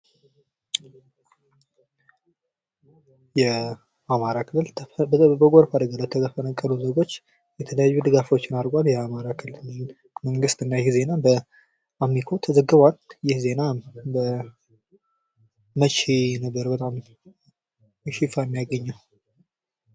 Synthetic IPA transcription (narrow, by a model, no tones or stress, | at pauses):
jɛ | ʔamaɾakʰɨlːɨlbəɡʷoɾfad̪əɡalat̪ʰəkəfənəkʼːəluze̞ɡo̞t͡ʃː | jɛt̪ʰələjajːud̪ɨɡafo̞t͡ʃːɪnaɾɡʷʼaljɛamaɾakʰɨlːɨl | məŋɡɨst̪ɨnːajɪhze̞nabə | ʔamːikʰo̞t̪ʰəzəɡːɨβwaljɪhze̞nabə | mət͡ʃenəbːəɾbət̪ʼam | ʃifajɛmːijaɡəɲːaw